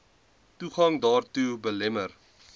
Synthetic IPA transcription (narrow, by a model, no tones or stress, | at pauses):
tuχɐŋdɑːrtubəlɛmər